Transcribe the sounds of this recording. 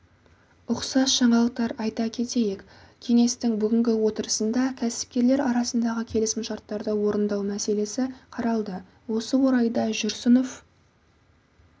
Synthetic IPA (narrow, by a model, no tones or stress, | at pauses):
ʊqsɑsʒɑɴɑlˠəq̚t̪ɑɾɑjt̪ɑkʲʰe̞t̪e̞jek | kʲʰe̞ŋe̞st̪ɪŋbʏɡʲɪŋɡʲɪwo̞t̪əɾəsənd̪ɑkʲʰæsɪ̥p̚kʲe̞ɾle̞ɾɑɾɑsənd̪ɑʁəkʲʰe̞lɪsmɪʃɑɾt̪ːɑɾd̪əwo̞ɾənd̪ɑwmæse̞le̞sɪqʰɑɾɑlˠd̪ə | wo̞səwo̞ɾɑjd̪ɑʒʏɾsəno̞f